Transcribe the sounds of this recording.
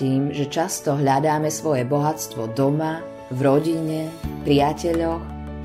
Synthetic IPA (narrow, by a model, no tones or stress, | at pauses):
iːmʒɛt͡ʃast̪ɔɦʎad̪aːmɛsʋɔjɛbɔɦat͡st̪ʋɔd̪ɔma | vɾɔɟiɲɛpɾɪacɛʎɔx